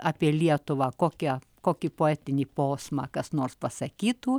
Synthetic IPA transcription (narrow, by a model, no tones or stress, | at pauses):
ɑːpʲiɛlʲiɛt̪ʊʋɑːkoːkʲɛ | koːkʲipoːæːt̪ʲɪnʲiːpoːsmɑːkɐsnoːrspɐsɐkʲiːt̪uː